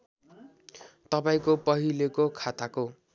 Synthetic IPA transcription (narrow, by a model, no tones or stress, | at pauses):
t̪ʌpaĩkopʌɦilekokʰat̪ako